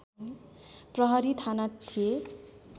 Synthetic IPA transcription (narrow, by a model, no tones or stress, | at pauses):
prʌɦʌɾit̪ʰanat̪ʰie